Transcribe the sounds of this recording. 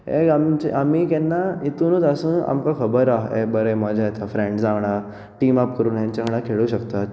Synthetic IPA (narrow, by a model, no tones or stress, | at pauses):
ɦḛamt͡ɕeʔamiːkɛnːait̪uːnut̪asuːna̰mkakʰəbəɾaɦḛbəɾəjmad͡ʑʱajet̪ʰafɾẽɳɖd͡zãʋɽ̃a | ʈiːmapkəɾuːnɦjaɲt͡ɕaɡəɽ̃ãkʰeɭuɕəkt̪at̪